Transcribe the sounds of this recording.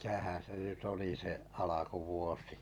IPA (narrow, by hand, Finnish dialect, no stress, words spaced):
mitæhæ̃ː se ʔnyt oli se ʔɑlɑkuʋuosi